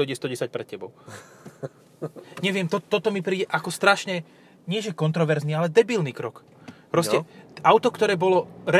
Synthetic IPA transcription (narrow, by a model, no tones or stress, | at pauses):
ɔjɟɛst̪ɔɟɛsac̚pɾɛt̪cɛbɔʊ | ɲɛʋɪɛmt̪ɔt̪ːɔt̪ɔmipɾiːɟɛʔakɔst̪ɾaʃɲɛ | ɲɪɛʒɛkɔnt̪ɾɔʋɛɾznialɛd̪ɛbiːlniːkɾɔk | pɾɔscɛaʊt̪ɔkt̪ɔɾɛːbɔlɔɾɛ